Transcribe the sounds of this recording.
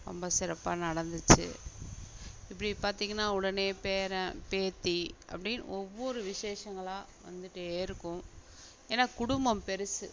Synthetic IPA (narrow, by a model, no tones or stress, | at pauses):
ɾɔ̰mbɐsɪɾɐpːaːnɐɽɐnd̪ɯt͡ʃːɯ̰ | ɪpːɐɽipaːɾt̪iːŋɡɐnːaːʊɽɐneːpeːɾɐ̃peːt̪ːiʔɐ̰pːɐɽɪn̰ɔʋːɔɾɯʋɪʂeːʂɐŋɡɐɭãː | ʋɐ̰nd̪ɯʈːɯeːɾɯkːʊ̃ | eːnːaːkʊɽʊmbɐmpɛɾɯsɯ